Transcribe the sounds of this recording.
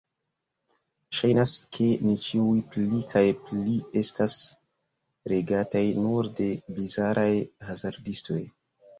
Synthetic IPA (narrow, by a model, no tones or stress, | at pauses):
ʃajnaskʰe̞nit͡ʃiujplikʰajplie̞stas | ɾe̞ɡatajnuɾde̞bizaɾʔajhazaɾdisto̞j